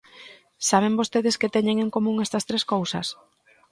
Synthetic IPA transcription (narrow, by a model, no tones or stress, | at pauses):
saβ̞eŋbost̪eðɪsket̪eɲeŋeŋkomũŋɛst̪ɐst̪ɾeskowsɐs